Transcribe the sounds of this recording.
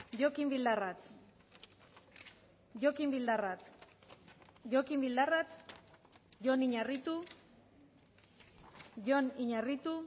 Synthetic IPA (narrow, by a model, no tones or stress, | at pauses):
ʝokimbild̪arat̪ | ʝokimbild̪arat̪ | ʝo̞kimbild̪arat̪ | ʝoniɲarit̪u | ʝo̞niɲarit̪u